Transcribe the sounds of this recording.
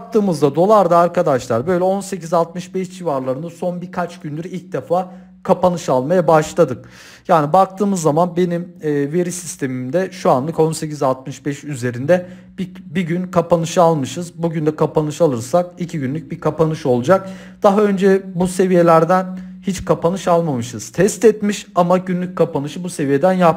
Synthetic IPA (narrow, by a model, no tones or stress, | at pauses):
k̚t̪ʰɯːmɯzd̪ad̪o̞lˠaɾd̪aːɾkad̪aʃlˠaɾbø̞jlʲɛo̞nse̞cizalˠt̪̚mɯʃbɛʃd͡ʒivaɾlˠaɾɯnd̪aso̞nbiɾkʰat͡ʃɡɟynld̪ʲyɾilʲc̚d̪efaː | kʰapanɯʃalˠmajabaʃlˠad̪ɯk | jaːnibak̚t̪ʰɯːmɯzːamanbe̞nimːve̞ɾisist̪ʰe̞mimd̪ɛʃuanlˠɯko̞nse̞cizalˠt̪̚mɯʃbɛʃyze̞ɾind̪ɛ | bbiɟynkʰapanɯʃɯalˠmɯʃɯzbuɟynd̪ɛkʰapanɯʃalˠɯɾsak̚icʰiɟynlʲyc̚bikʰapanɯʃo̞lˠud͡ʒak̚ | d̪̥aɦaø̞nd͡ʒɛbuse̞vije̞lʲæɾd̪ænhit͡ʃkʰapanɯʃalˠmamɯʃɯz̥t̪ʰɛst̪ɛt̪miʃamaɟynlʲyc̚kʰapanɯʃɯbuse̞vije̞d̪ænjap̚